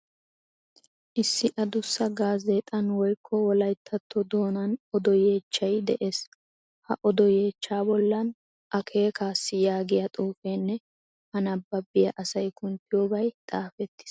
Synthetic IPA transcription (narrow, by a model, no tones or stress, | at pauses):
ʔɪsːɪʔɐd̪ʊsːɐɡaːzet̪ʼɐnwɔjkʰːɔwɔlɐjt̪ʰːɐt̪ʰːɔd̪o̞ːnɐnɔd̪ɔje̞ːt͡ʃːɐjd̪ɛ̰ʔe̞ːs | hɐ̰ʔɔd̪ɔje̞ːt͡ʃːaːbɔlːɐn | ʔɐkʰe̞ːkaːsːɪjaːɡɪjɐt̪ʼuːfeːnːɛ | hɐnɐbːɐbɪjɐʔɐsɐjkʰʊnt̪ɪjoːbɐjt̪ʼaːfɛt̪ːɪ̥s